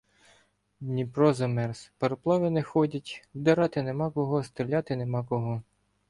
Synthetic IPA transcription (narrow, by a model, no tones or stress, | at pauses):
d̪ʲnʲipɾɔzɐmɛrspɐɾɔplˠɑʋɪnexɔdʲɐtʲwd̪eɾɑt̪ɪnemɑkɔɦɔst̪ɾɪlʲɑt̪ɪnemɑkɔɦɔ